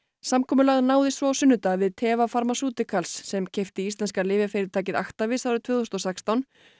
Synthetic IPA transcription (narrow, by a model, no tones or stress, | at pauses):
samkʰɔːmʏlaɣðnaːwðɪst̪ɾɔawsʏnːʏt̪aðvɪðt̪ʰɛːvafaɾmasuːt̪ɪkʰalsːɛmcʰejft̪ɪist̪lɛnskalɪːvɪfɪɾɪɾt̪ʰaːcɪða̰xt̪avɪðsawɾʏt̪ʰvʏːθost̪ɔsɛkst̪awn